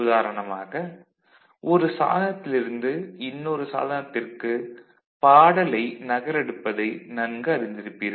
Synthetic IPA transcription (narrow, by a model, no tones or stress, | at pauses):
ðaːɾɐɳɐmaːɣɐ | ʔɔɾɯsa̰ːðɐnɐt̪ːɪlɪɾɯnd̪ɯɪnːɔɾɯsa̰ːðɐnɐt̪ːɪrkɯ | paːɽɐlɐɪnɐɣɐɾɛɽɯpːɐðɐɪnɐnɡɯɐɾɪnd̪ɪɾɯpːɪɾ